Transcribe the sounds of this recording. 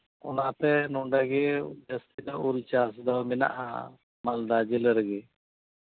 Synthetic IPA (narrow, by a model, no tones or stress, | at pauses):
ʊ̰nãt̪ɛnʊ̃ɳɖaɡed͡ʒəst̪id̪aoɾit͡ʃaːsd̪amɪna̰ʔɦã̰ | mald̪ad͡ʒɪləɾɡɛ